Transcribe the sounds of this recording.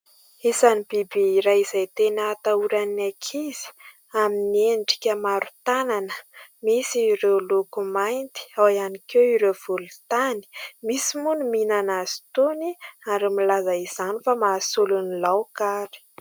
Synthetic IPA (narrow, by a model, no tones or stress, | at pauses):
isanib̥ibiːɾajizajt̪enət̪auɾanakʰiz̥i̥ | aminienɖ͡ʐi̥kʲəmaɾu̥t̪ananəmisiːɾelukumajnt̪i̥awianikewiɾev̥ulut̪ani̥misimunuminanazi̥t̪oniaɖ͡ʐimilazaiz̥anifamaːsulunilawkaɾi̥